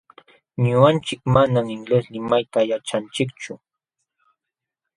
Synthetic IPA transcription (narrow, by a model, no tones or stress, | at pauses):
ɲʊant͡ʃɪkmanamɪŋɡleslɪmajt̪ajat͡ʃant͡ʃɪkt͡ʃʊ